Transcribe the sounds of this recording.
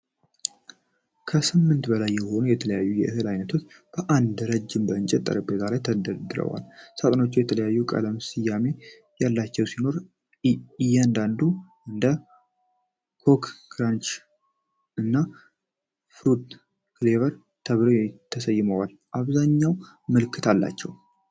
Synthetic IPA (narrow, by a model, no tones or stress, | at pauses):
kʰəsɨmːɨnt̪bəlajːɛho̞nujɛt̪ʰələjajːujɛʔɨɦɨlajnət̪ʰo̞t͡ʃːb̥əʔand̪ɾəd͡ʒːɪmbəɨnt͡ʃʼɛt̪ʼːə̰ɾəbezalajt̪ʰəd̪əd̪ɨɾə̰wa̰lsat̪ʼəno̞t͡ʃːɛjɛt̪ʰələjajːukʼə̰ləmsɨjːame̞ | jalːat͡ʃːɛwsino̞ɾ | jːɛnd̪and̪u | ɨnd̪ə | kʰo̞kɡɾant͡ʃ | ɨnːa | fɾud̪ | klevəɾ | t̪ʰəβɾot̪ʰːəsəjːɪməwal | ʔaβzaɲːaw | mɨlɨkʰːɨt̪ʰalːa̰t͡ʃːɛw